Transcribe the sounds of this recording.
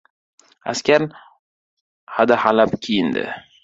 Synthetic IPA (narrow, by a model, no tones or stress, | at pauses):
a̰skʲaɾn | had̪ahalapkʲʰijɪnd̪ɪ̰